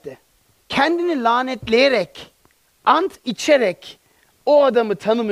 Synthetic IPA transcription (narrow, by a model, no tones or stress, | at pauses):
cʰɛnd̪inilʲaːnɛt̪lʲejeɾɛc | ant̪ʰit͡ʃʰeɾɛc | oad̪amɯt̪ʰanɯm